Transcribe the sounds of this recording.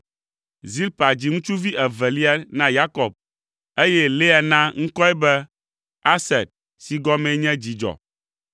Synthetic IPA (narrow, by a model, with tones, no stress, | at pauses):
zi˦lpa˨d͡ʑi˨ŋũ˦t͡ʃu˦vi˦ʔɛ˨vɛ˨li˦a˦nã˦ja˦kɔ˨b̚ | e˦jɛ˦le˦a˨nã˦ŋ̩̃˦kɔ˦ɛ˦bɛ˦ | a˦sɛ˨t̚ | si˨ɡɔ˦mɛ̃˦ɲɛ̃˦d͡ʑi˨d͡ʒɔ̰˨